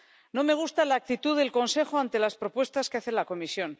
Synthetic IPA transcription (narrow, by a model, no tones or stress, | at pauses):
no̞me̞ɣ̞ust̪alaːk̚t̪it̪uðe̞lko̞nse̞xoant̪e̞laspɾo̞pwe̞st̪askeaθe̞lako̞misjo̞n